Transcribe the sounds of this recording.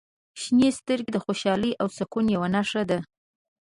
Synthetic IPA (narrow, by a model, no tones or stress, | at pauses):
ʃnest̪əɾɡed̪əxoʃɑləjʔawsakunjawanaʂad̪a